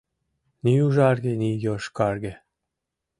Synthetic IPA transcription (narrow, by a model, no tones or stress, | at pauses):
niuʒɑrɣenijoʃkɑrɣĕ